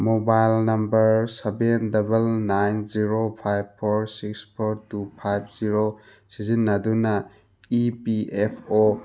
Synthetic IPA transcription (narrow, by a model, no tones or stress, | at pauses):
mobajlnɐmbɐɾsebendɐbɐlnajnziɾopʰajb̚pʰoɾsikspʰoɾtupʰajb̚ʰziɾo | sizinːɐdunɐ | ipiʔepʰo